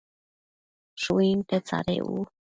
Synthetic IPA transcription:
ʂuint̪et͡sa̰ɾḛṵ

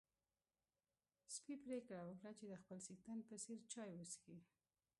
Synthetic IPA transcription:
spipɾekɽawəkɽat͡ʃed̪əxpəlsikt̪ənpəseɾt͡ʃɑjwəsxi

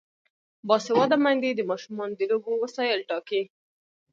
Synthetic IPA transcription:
bɑsewad̪amand̪ed̪əmɑʃumɑnd̪əlobowəsɑjəlʈɑki

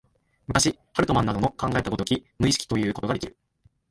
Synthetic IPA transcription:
mɯ̟kaɕihaɾɯ̟t̪o̞mãnːad̪o̞nokãŋɡae̞t̪ako̞t̪okʲimɯ̟iɕɨ̥kʲi̥t̪o̞jɯ̟ːko̞t̪o̞ɡad̪e̞kʲḭɾɯ̟

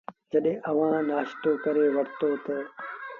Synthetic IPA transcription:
d͡ʒɐɗẽːʔɐʋ̤ãːnaːʃt̪oːkɐɾeːʋɐɽ̤t̪oːt̪ɐ

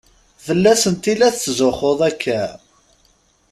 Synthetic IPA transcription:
θəlːæsənt̪ilæθt͡sːzoχoðˤækʰːæ

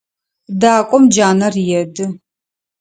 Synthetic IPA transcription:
daːkʷʼɔmd͡ʒaːnɐrjɛdɨ

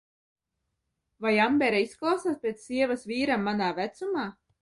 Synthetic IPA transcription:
vajambɛɾaisklˠɑwsaːspʲeɛt̪ssːiɛvasviːɾamːanaːvæt̪sumaː

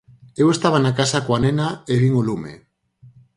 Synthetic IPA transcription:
ewe̞st̪aβ̞anakasakwanenaeβiŋulumḛ

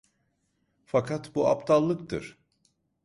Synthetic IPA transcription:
fakʰat̪bua̰pt̪ʰalˠːɯk̚t̪ʰɯ̰ɾ̥

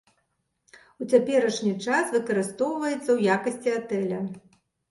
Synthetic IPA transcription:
ut͡sʲapʲɛɾɐʂnʲit͡ʂasvɨkɐɾɨst̪ɔwvɐjɛt̪sɐwjakɐsʲt͡sʲiat̪ɛlʲɐ

